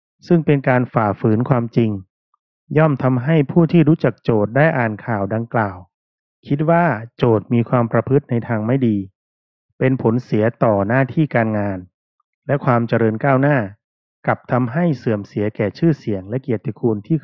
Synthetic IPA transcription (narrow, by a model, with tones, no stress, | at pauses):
sɯ˥˩ŋpe˧nkaː˧nfaː˨˩fɯː˩˦nkʰwaː˧mt͡ɕi˧ŋ | jɔː˥˩mt̪ʰa˧mɦa˥˩jpʰuː˥˩t̪ʰiː˥˩ɾuː˦˥t͡ɕa˨˩k̚t͡ɕoː˨˩t̪̚daː˥˩jʔaː˨˩nkʰaː˨˩wda˧ŋklaː˨˩w | kʰi˦˥t̪̚waː˥˩t͡ɕoː˨˩t̪̚miː˧kʰwaː˧mpɾa˧pʰɯ˦˥t̪̚na˧jt̪ʰaː˧ŋma˥˩jdiː˧ | pe˧npʰo˩˦nsi˨˩˦ɐt̪ɔː˨˩naː˥˩t̪ʰiː˥˩kaː˧nŋaː˧n | lɛ˦˥ʔkʰwaː˧mt͡ɕa˧ɾɤː˧nkaː˥˩wnaː˥˩ | ka˨˩p̚t̪ʰa˧mɦa˥˩jsɯ˨˩əmsi˩˦ɐkɛː˨˩t͡ɕʰɯː˥˩si˩˦əŋlɛ˦˥ʔki˨˩ət̪̚ːʰi˨˧˩kʰuː˧nt̪ʰiː˥˩